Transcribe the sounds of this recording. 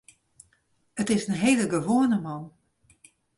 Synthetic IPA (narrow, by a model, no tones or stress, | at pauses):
ətɪsənɦeːləɡəʋoənəmɔn